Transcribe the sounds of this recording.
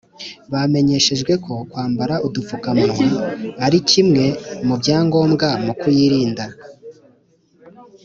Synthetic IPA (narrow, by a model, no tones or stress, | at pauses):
βame̞ɲe̞ʃe̞ʒɡwe̞ko̞kwaːmbaɾaʔudufukamoaɾicimŋe̞mubjaːŋɡo̞ːmɡamukujiɾiːnda